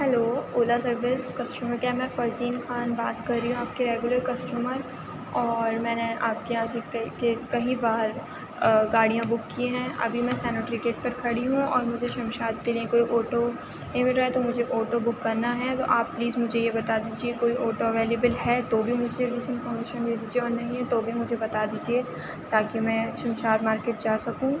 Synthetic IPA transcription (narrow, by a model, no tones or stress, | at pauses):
ɦɛloːoːlasɐɾʋɪskɐsʈuːməɾkeamɛ̃fɐɾziːnxaːnbaːt̪kɐɾːiɦũaːpkeɾeːɡʊləɾkɐsʈuːməɾ | ɔːɾmɛ̃ːneʔaːp̚kejɐɦãːsekkekɐɦibaːɾ | ɡaːɽijãbʊkːiɦɛ̃ːʔɐ̰bʱimɛ̃sɛːnɪʈɾikeːʈ̚pɐɾkʰɐɽiɦũɔːɾmʊd͡ʒʱeʃɐ̃mʃaːt̪keliẽkoːiʔɔːʈo | ẽmɪʈɾɐɦet̪omʊd͡ʒʱeʔɔːʈobʊkːɐɾnaɦɛt̪o̰ʔaːpːliːzmʊd͡ʒʱejebɐt̪ad̪iːd͡ʒiekoːiʔoːʈoɐʋeːleːbəlɦɛt̪oːbʱimʊd͡ʒʱeɾiːsɪ̃nʈfɔ̃ːɾmeːʃənd̪eːd̪iːd͡ʒieɔːɾnɐɦĩɦɛ̃t̪oːbʱimʊd͡ʒʱebɐt̪ad̪iːd͡ʒie | t̪aːkimɛ̃ːʃɐmʃaːd̪maːɾkeːʈ̚d͡ʒaːsɐkũː